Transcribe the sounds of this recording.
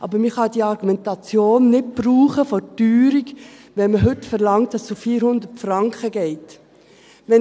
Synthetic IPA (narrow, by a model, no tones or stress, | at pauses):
ʔɑ̰bəɾmɪχɑd̥iːɑɾɡumɛntɑt͡sjoːnːɪt̚b̥ɾuːχəfɔtyːɾikʋɛnməɦɵtfəɾlɑŋt̚d̥ɑssufiːɾhʊnd̪ətfɾɑŋkχəɡɛɪt | ʋɛn